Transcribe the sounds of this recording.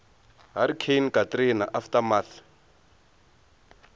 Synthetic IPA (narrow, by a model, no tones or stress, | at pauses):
ɦaɾikʰejnkʼatrinaʔaftamat